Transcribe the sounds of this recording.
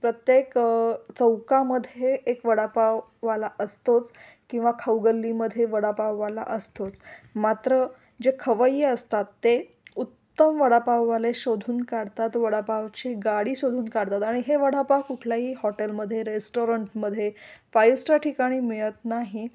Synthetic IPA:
pɾət̪jekt͡səwkaməd̪ʱjeʔːkʋəɽapaʋːalaʔəst̪ot͡skĩw̃ʋakʰəwɡəlːiməd̪ʱjeʋəɽapaʋːala̰ʔəst̪ot͡smat̪ɾə | d͡ʑekʰəʋəjːeəst̪at̪ːe | ut̪ːəmʋəɽapaʋːaleɕod̪ʱuːnkaɽt̪at̪ʋəɽapaʋt͡ɕeɡaɽiːɕod̪ʱuːnkaɽt̪at̪aɽ̃iɦeʋəɽapawkuʈʰljaɦiːhɔʈelməd̪ʱːjeɾesʈoɾəɳʈməd̪ʱːjepajusʈaʈʰikaɽ̃iːmiɭət̪naɦi

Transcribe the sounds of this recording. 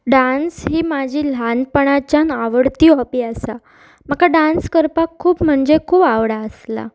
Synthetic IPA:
ɖãnsɦiːmad͡ʑʱiːlanpəɳat͡ɕanaʋəɽt̪iːɦɔpiːasa | makaɖanskəɾpakʰːuːbm̤əɳd͡ʑekʰuːbaʋɽaəsla̰

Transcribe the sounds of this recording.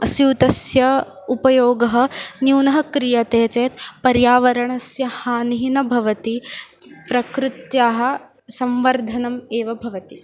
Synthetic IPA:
ɐsjuːt̪ɐsjɐ | upɐjoːɡɐɦɐ̆njuːnɐɦɐkɾijɐt̪eːt͡ʃeːt̪pɐɾjaːʋɐɾɐɳɐsjɐhaːniɦinɐbʱɐʋɐt̪i | pɾɐkɾɪt̪jaːɦɐ̆ | sɐmʋɐɾd̪ʱɐnɐmeːʋɐbʱɐʋɐt̪i

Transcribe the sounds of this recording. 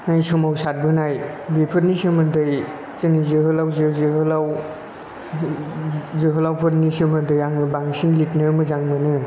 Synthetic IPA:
ŋajsɯmawsat̚bɯnaj | bepʰɯt̚nisɯmɯndɯj | zenizɯɦɯlawzɯzɯɦɯlaw | zɯɦɯlawpʰɯt̚nisɯmɯndɯjaŋmɯbaŋsinlitnɯmɯzaŋmɯnɯ

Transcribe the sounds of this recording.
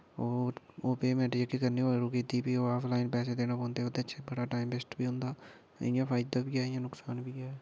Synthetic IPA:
oːoːpeːmɛːʈed͡ʒəkːikəɾniʋaːɾoːkeːd̪ibiːoːaːpʰlaːɪnpɛːs̬ed̪eːnaːpɔ̃ːnd̪eoːd̪ẽəʃʰebəɽaːʈaːɪmbɪsʈbʱiːɦʊ̃ːnd̪aː | ɪjãːpʰaːɪd̪aːbʱiːaːɪjãːnʊksaːnbʱiːaːɛː

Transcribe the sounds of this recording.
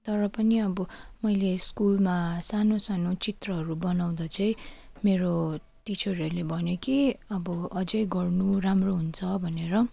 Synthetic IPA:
t̪ʌɾʌpʌniʌbʌmʌjleskulmasanosanot͡sit̪rʌɦʌɾubʌnaw̃d̪ʌt͡sʌĩ | meɾo | t̪it͡sʰoriʌɾlebʱʌnjokiʌbʌʌd͡zʌjɡʌrnuramroɦunt͡sʰʌbʱʌneɾʌ

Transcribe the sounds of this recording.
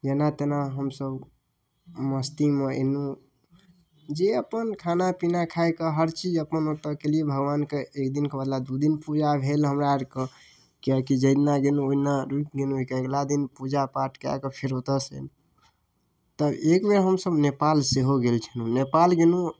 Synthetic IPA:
d͡ʒenat̪enaɦəmsəb | məst̪imeḛnu | d͡ʒeəpənkʰanapinakʰajkeɦəɾt͡ʃid͡ʒəpənot̪əkeliebʱəɡʋankeekd̪inkebəd̪lad̪ud̪inpud͡ʒabʱelɦəmɾaɾkə | kiakid͡ʒəd̪naɡenũoinaɾukɡenũikeeɡlad̪inpud͡ʒapaʈkea̰kəpʰiɾot̪əsə̰n | t̪əekmeɾɦəmsəbnepalseɦoɡelt͡ʃʰənunepalɡenu

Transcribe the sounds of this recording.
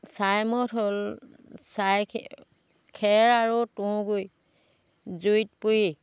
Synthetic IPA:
sajmɔtɦol | sajʰ | kʰɛɹaɹutʊ̃ɡoj | zujt̚puji

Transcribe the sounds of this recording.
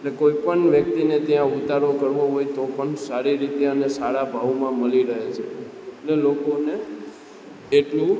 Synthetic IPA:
elekoipəɳʋjək̚t̪inet̪jãʊt̪aɾokəɾʋoɦojt̪opəɳsaɾiɾit̪eənesaɽabʱaʋmãməliɾəɦet͡ʃʰe | elelokone | eʈlũ

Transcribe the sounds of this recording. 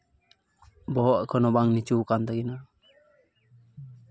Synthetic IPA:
bɔɦɔʔkʰɔnɔbaŋnit͡ʃukand̪aɡina

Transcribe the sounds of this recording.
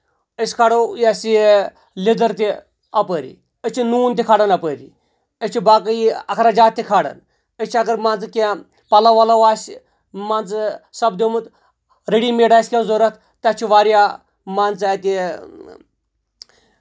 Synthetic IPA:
əsʲkʰaɽɐjasi | lid̪ɐɾt̪i | ɐpəːɾḭ | ət͡ʃʰinuːnt̪ikʰaɽɐnɐpəːɾḭ | ət͡ʃʰibaːkəjiɐkʰɾad͡ʒaːt̪ʲːikʰaɽɐ̰n | ət͡ʃʰɐɡɐɾmant͡skʲã | pɐlaʋɐlaʋaːs | mant͡ssɐbd̪omɨt̪ | ɾeɽimeːɖaːsʲkʲaːnzoɾɐt̪ʰ | t̪ɐt͡ʃʰiʋaːɾjaː | mant͡saːt̪i

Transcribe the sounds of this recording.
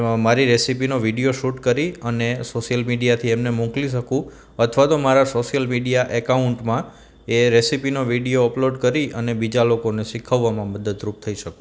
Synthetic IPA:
maɾiɾesipinoʋiɖijoʃuʈkəɾiənesoʃjəlmiɖijat̪ʰiemnemɔ̃kliʃ̬əkũ | ət̪ʰʋat̪omaɾasoʃjəlmiɖijaʔekauɳʈmã | eɾesipinoʋiɖijoəploɖkəɾiənebid͡ʒalokoneʃikʰəʋːamãməd̪əd̪ɾup̚t̪ʰəiʃəkũ

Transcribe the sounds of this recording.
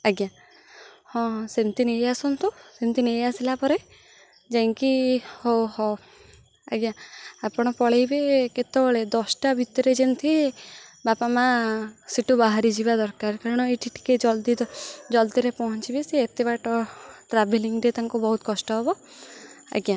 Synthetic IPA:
aɡja | hɔ̃semt̪inejasɔnt̪usemt̪inejasilapɔɾe | d͡ʒajŋkihowhɔ | a̰ɡjaapɔɽ̃ɔpɔɭejbeket̪ɔɭed̪ɔsʈabʱit̪ɔɾed͡ʒent̪ʰi | bapamasiʈubaɦaɾid͡ʒibad̪ɔɾkaɾkaɾɔɽ̃ɔiʈʰiʈʰi̥ked͡ʒɔld̪id̪ɔd͡ʒɔlt̪iɾepɔɦɔnt͡ʃibeseːt̪eβaʈɔʈɾabeliŋɡɾet̪aŋkubɔɦut̪kɔsʈɔɦɔbɔ | a̰ɡja

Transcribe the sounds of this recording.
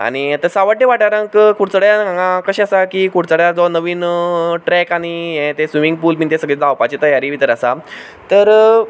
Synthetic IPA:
a̰ñit̪əɾsaʋəʈ̚ʈeʋaʈaɾə̃ŋkkuɽt͡səɽjaãŋɡãkəɕiasakikuɽt͡səɽjad͡zɔnəʋiːnʈɾɛkaɽ̃iɦẽt̪esʋimiŋɡ̚puːlmint̪̬ẽsəɡɭed͡zawpat͡ɕit̪əjaɾiʋit̪əɾəsa | t̪əɾ

